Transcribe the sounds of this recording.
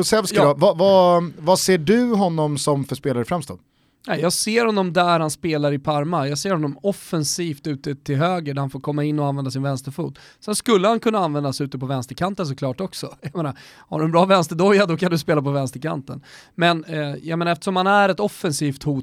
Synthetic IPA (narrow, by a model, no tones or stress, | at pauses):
ʊsɛlvskɾɑvavavaseːɖɵɦɔnːɔmsɔmfœʂpeːlaɾəfɾɛmst̪ɑ̰ːnd̪ | nɛjɑːɡseːɾhɔnːɔmd̪æɾhanspeːlaɾɪpʰaɾmajɑːɡseːɾhɔnːɔmɔfɛnsiːft̪ʉ̟ːt̪ət̪ʰɪlɦøːɡəɖæɾhanfoːɾkʰɔmːaɪnːɔanvɛnd̪as̬ɪnvɛnst̪əɾfṵːt̪ | sɛnskɵlːəhankʰɵnːaanvɛnd̪asʉ̟ːt̪əpɔvɛnst̪əɾkʰant̪əns̬ɔkʰlɑːʈɔksɔjameːnaɾ | ha̰ɖɵɛnbɾɑːvɛnst̪əd̪ɔjːad̪ɔkʰand̪ɵspeːlapɔvɛnst̪əɾkʰa̰nt̪ə̰nmɛnjaɡmenaɾɛft̪ə̥ʂɔmhanæɾɛt̪ɔfːɛnsiːft̪huː